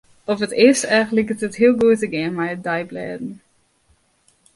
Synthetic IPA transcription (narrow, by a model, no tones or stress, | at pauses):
ɔfətɪsɛjɣəntləkətətɦiəlˠɡuətəɡɪənmɛjədɛjblɛ̰ːdn̩